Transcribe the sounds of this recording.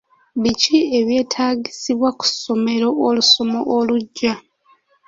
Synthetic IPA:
βicie̞βje̞ːtʰaːɟisiβwaku̥so̞me̞ɾo̞ʔoluso̞mo̞ʔoluɟːa

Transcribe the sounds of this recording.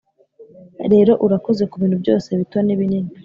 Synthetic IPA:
ɾe̞ːɾo̞ʔuɾako̞ze̞kuβiːnhubjɟo̞ːse̞βituβaniβinini

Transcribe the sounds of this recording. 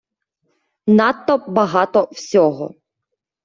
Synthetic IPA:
nat̪ːɔbɐɦɑt̪ɔwsʲɔɦɔ̰

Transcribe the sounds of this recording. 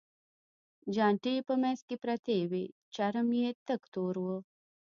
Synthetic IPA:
d͡ʒaːɳʈijpəmẽskipɾɐt̪eːwe | t͡ʃɐɾəmjeːt̪əkt̪oːɾwə

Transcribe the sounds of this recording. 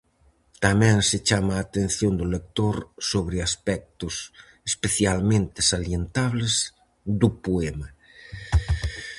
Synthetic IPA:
t̪amɛ̃ŋset͡ʃamaːt̪ẽn̟θjond̪ʊlek̚t̪oɾsoβɾɪaspɛk̚t̪ʊs | espeθjalmẽnt̪ɪsaljent̪aβlez | d̪ʊpoema

